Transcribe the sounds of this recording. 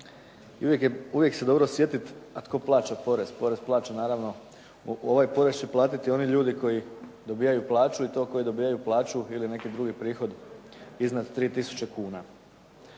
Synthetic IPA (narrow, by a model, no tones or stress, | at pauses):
iujekuʋje̞kse̞d̪o̞bɾo̞sje̞t̪it̪at̪ko̞plˠaːt͡ɕapo̞ɾe̞spo̞ɾe̞zplˠaːt͡ɕanaːɾaʋno̞ | o̞ʋajpo̞ɾest͡ɕe̞plˠaːt̪it̪io̞niʎuːd̪iko̞jid̪o̞biːjajuplˠaːt͡ʃuit̪o̞ːko̞jid̪o̞biːjajuplˠaːt͡ʃuiline̞kid̪ɾuɡipɾiːxo̞d̪ | iznad̪t̪ːɾiːt̪isu̥t͡ɕe̞kuːna